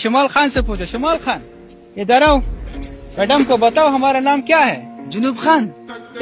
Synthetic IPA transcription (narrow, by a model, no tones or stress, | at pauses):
ʃʊmaːlxaːnsepuːt͡ʃʰoʃʊmaːlxaːn | jed̪ɐɾaːo | mɛːɖɐmkobɐt̪aːoɦɐmaːɾanaːmkjaːɦɛːd͡ʒʊnuːbxaːn